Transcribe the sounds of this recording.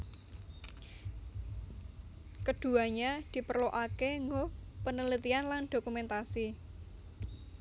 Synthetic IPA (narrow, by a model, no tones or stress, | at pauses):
kəɖ̥ṳaɲad̪̥i̤pərloʔakeŋɡopənələt̪ianland̪̥okumɛnt̪asi